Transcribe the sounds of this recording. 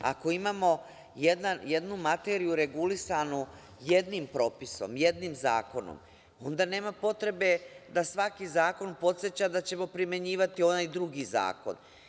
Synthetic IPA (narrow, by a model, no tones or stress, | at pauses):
a̰ko̞imaːmo̞ | je̞d̪nanje̞d̪numat̪e̞ːɾijuɾe̞ɡulisanu | je̞d̪nimpɾo̞ːpiso̞̰mje̞d̪nimza̰ːko̞no̰m | o̞nd̪ane̞ːmapo̞t̪ɾe̞be̞d̪asʋakizaːko̞npo̞t̪sjet͡ɕad̪at͡ɕe̞mo̞pɾime̞ɲiːʋat̪io̞najd̪ɾuɡiza̰ːko̞̰n